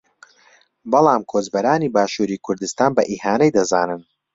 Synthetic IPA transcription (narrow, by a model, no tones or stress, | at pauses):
bɨlˠɑːmkʰoːzbɐɾaːniːbaːʃuːɾiːkʰʊɾd̪ɨst̪aːnbɐʔiːhaːnɛjd̪ɐzaːnɨn